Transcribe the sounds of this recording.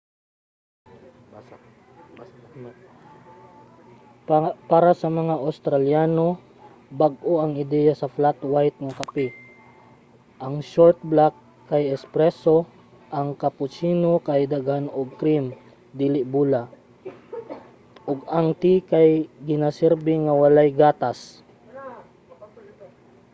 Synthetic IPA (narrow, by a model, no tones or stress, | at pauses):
paːɾasɐmɐŋaʔawst̪ɾaljaːno̞ | baɡ̚ʔoʔɐŋɪd̪ɛjasɐflat̪wajt̪̚ŋɐkapɪ | ʔɐŋʃoɹt̪̚blakː | ajɛspɾɛso | ʔaŋkapʊt͡ʃiːnokajd̪aɡhanoɡ̚kɾim | d̪iːlɪʔbuːla | ʔoɡaŋt̪ikajɡɪnasɛɾbɪŋawalajɡaːt̪as